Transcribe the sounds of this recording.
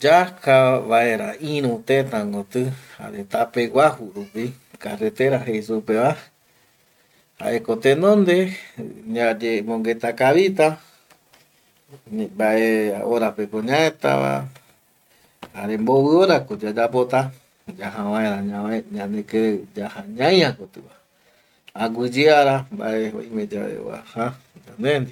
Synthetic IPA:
d͡ʒakaβaeɾaĩɾũt̪ẽt̪ãŋɡot̪ɨha̰ɾet̪apeɡʷahuɾupi | karet̪eɾaɦejsupeβa | ha̰ʔekot̪enõnd̪eɲad͡ʒemõŋɡet̪akaβit̪a | baʔeaoɾapekoɲãẽt̪a̰βa̰ | haɾemboβɨoɾakod͡ʒad͡ʒapot̪a | d͡ʒaɦãβãẽɾaɲaɲãneked͡ʒahaɲãj̃ãkot̪ɨwa | aɡʷɨd͡ʒiaɾamba̰ʔeo̰ĩmẽd͡ʒaḛwa̰ha | d͡ʒand̪end̪i

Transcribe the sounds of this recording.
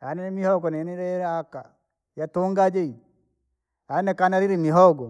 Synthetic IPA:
anɛnɛmihɔɡɔnɛniɾɛɾaka̰ | jatoŋɡad͡ʒei | anɛnɛkanaɾiɾimiɦɔɡɔ

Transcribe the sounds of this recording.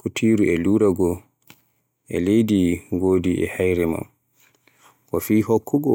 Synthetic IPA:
kutʰiɾuʔɛluːɾaɡɔ | ʔɛ̰lejdiɡoːdiʔɛ̰hajɾɛma̰m | kɔfiːhɔkːɔɡɔ

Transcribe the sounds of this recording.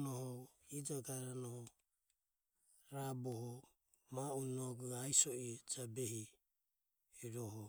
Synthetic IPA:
nɔhɔid͡ʒaɡaɾanɔhɔ | ɾabɔhɔ | maunɔɡuajsɔid͡ʒabɛhi | iɾɔhɔ

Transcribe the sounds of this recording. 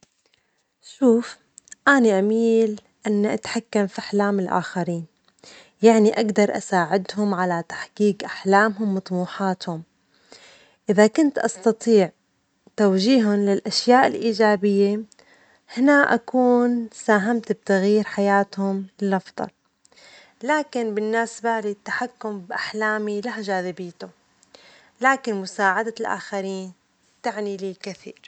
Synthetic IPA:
ʃuːf | ʔaːniʔamiːl | ʔɪnːʔat̪ħakːamfiʔaħlaːmɪlʔa̰ːxaɾiːn | jaʕniʔaɡd̪ɑɾˤʔa̰saːʕɪd̪hʊmʕalat̪ḁħkiːkʔaħlaːmɦʊmːɑt̪ˤmuːħaːt̪hʊm | ʔɪðakʊnt̪ʔɑst̪ɑt̪ˤiːʕ | t̪awʒiːɦʊnlɪlʔaʃjaːʔɪlʔiːd͡ʒaːbɪjːe | hɪnaʔa̰kuːnsaːɦamt̪b̚t̪aɣjiːɾħajaːt̪hʊmɪlʔɑfd̪ˤɑ̰l | laːkɪnbɪnːaːsbaːʕlit̪ːaħakːʊmbʔaħlaːmilahʒaːðɪbɪːt̪ʊ | laːkɪnmʊsaːʕad̪alʔa̰ːxaɾiːn | t̪aʕniliːkaθiːɾ

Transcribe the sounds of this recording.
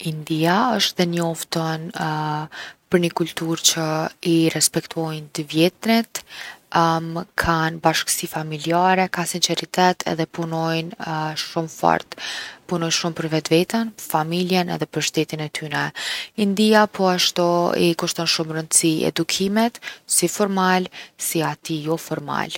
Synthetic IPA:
ind̪iaəʃt̪ðɛnɔft̪ɔn | pəɾɲəkult̪uɾt͡ɕəiɾɛspɛkt̪uɔjnt̪əvjɛt̪nit̪ | mkʰanbaʃkə̥sifamiliaɾɛkasinsɛɾit̪ʰɛt̪ʰɛ̰ðɛpunɔjnʃumfɔ̰ɾt̪punɔjnʃumpəɾvɛt̪vɛt̪ənfamiljənɛ̰ðɛpəɾʃt̪ɛt̪inɛt̪ʰynɛind̪iapʰɔaʃt̪ɔḭkuʃt̪ɔnʃumɾənd̪siɛ̰d̪ukʰimɛt̪sifɔɾmalsiat̪ijɔfɔɾma̰l

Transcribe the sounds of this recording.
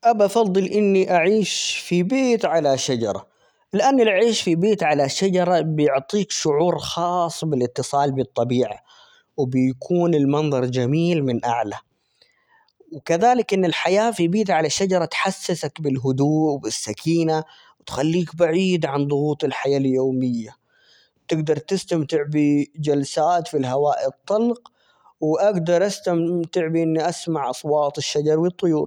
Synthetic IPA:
ʔabafɑd̪ˤːɨlʔɪnːiʔaʕiːʃfibeːt̪ʕalaʃad͡ʒɑɾˤɑ | lɪʔanːɪlʔaʕiːʃfibeːt̪ʕalaʃad͡ʒɑɾˤɑbɪjʊʕt̪ˤiːkʃʊʕuːɾxɑːsˤːbɪlɪt̪ːɨsˤɑːlbɨt̪ˤːɑbiːʕa̰ | wɪbɪjkʰuːnɪlmɑnðˤɑɾˤd͡ʒamiːlmɪnʔa̰ʕla | wɪkaðaːlɪkʔɪnːɪlħajaːfijbiːt̪ʕalaʃːad͡ʒɑɾˤɑt̪ħasːɪsakbɪlɦʊd̪uːʔwbɪsːakʰiːna | wɪt̪xalːiːkbaʕiːd̪ʕand̪ˤʊɣuːt̪ˤɪlħajaːljoːmɪjːa | t̪ɪɡd̪ɑɾˤt̪ɪst̪amt̪ɪʕbid͡ʒalsaːt̪filɦawaːʔɪt̪ˤːɑlq | wɪʔaɡd̪ɑɾˤʔast̪amt̪ɪʕbiʔɪnːiʔasmaʕʔɑsˤwɑːt̪ˤɪʃːad͡ʒɑɾˤwɨt̪ˤːʊjuːɾ

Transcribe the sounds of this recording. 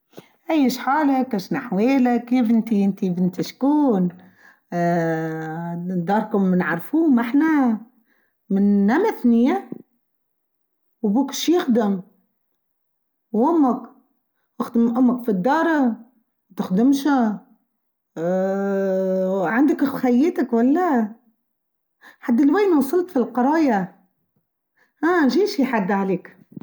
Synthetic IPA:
ʔæjːɪʃħaːlakaʃnaħweːlakːiːfʔɪnt̪iʔɪnt̪ibɪnt̪iʃkuːn | d̪ːɑːɾˤkʊmːnʕɑɾˤfuːmaħna | mɪnːamaθnɪja | wbuːkʃjɪxd̪ɪm | wʔʊmːak | ʔaxd̪ɪmʔʊmːakfid̪ːɑːɾˤɑ | wt̪ɪxd̪ɪmʃa | ʕand̪akxajːeːt̪akwalːa | ħad̪ːɪlwaːnawsˤɨlt̪filqɑɾˤɑːja | ʔaːʒiːʃiħad̪ːʕaleːk

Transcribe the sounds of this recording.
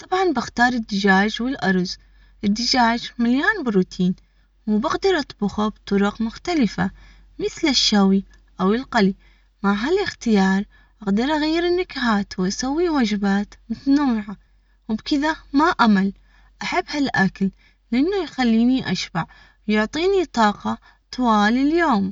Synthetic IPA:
t̪ˤɑbʕɑnbɪxt̪ɑːɾˤɪd̪ːɪd͡ʒaːd͡ʒwɪlʔɑɾˤz | ʔɪd̪ːɪd͡ʒaːd͡ʒmaljaːnbɪɾuːt̪ʰiːn | wbɪqd̪ɑɾˤʔɑt̪ˤbʊxabt̪ˤʊɾʊqmʊxt̪alɪfa | mɪθlɪʃːaːwi | ʔawɪlqali | maʕɦalɪxt̪ɪjɑːɾˤ | ʔaqd̪ɑɾˤʔaɣajːɪɾɪnːɪkahaːt̪wʔasawːiwaːd͡ʒɪbaːt̪mʊt̪anawːɪʕa | wbkɪðamaʔamal | ʔaħabːhalʔaklː | ʔɪnːujxalːiːniʔa̰ʃbaʕ | wjʊʕt̪ˤiːnit̪ˤɑːqɑ | t̪waːliljoːm

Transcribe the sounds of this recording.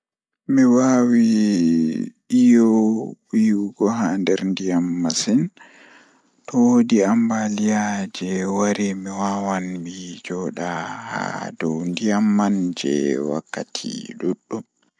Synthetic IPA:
miwawi | ʔijɔwijuɡɔɦandɛɾndijamːasin | tɔwodiambalijad͡ʒɛwaɾimiwawanbid͡ʒɔɗaha̰dɔwndijamːand͡ʒɛ̰wa̰kːatʰḭɗuɗːum

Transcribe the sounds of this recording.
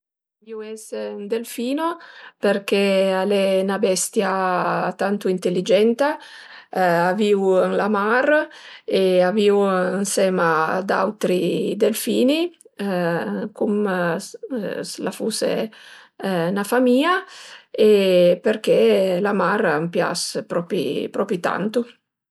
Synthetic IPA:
iwɛsund̪elfiːnoperkealenabɛst̪jat̪ant̪uint̪elːid͡ʒɛnt̪a | aviwɛnlamareaviwɛnsɛːmad̪a̰wt̪ɾid̪elfiːni | kum | slafusḛ | nafamiːaeperkelamarampja̰spɾɔpḭpɾɔpɾit̪a̰nt̪u

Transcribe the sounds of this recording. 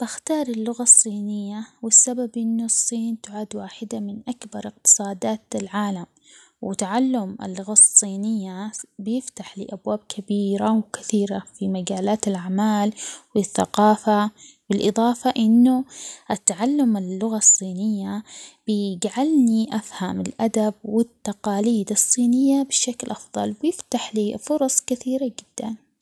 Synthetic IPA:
b̥axt̪ɑːɾˤɪlːʊɣasˤːiːnɪjːawɪsːababʔɪnːʊsˤːiːnt̪ʊʕaːd̪waːħɪd̪amɪnʔakbɑɾˤɪq̚t̪ɨ̥sˤɑːd̪aːt̪lʕaːlam | wɪt̪aʕalːʊmɪ̰lːʊɣasˤːiːnɪjːabjɪft̪aħlɪ̰ʔabwaːb̚kʰabiːɾawkɪθiːɾafimaɡaːlaːt̪ɪlʔaʕmaːlwɪθːa̰qɑːfawɪlʔɨðˤɑːfɑʔɪnːʊʔɪt̪ːaʕalːʊmɪlːʊɣasˤːiːnɪjːab̥ɡaʕalniʔafhamɪlʔad̪ab̚wɪt̪ːaqɑːliːd̪ɨsˤːiːnɪjːabɪʃːaklʔɑfðˤɑ̰lwjɪft̪aħliːfʊɾˤɑsˤkɪθiːɾad͡ʒɪd̪̥ːan

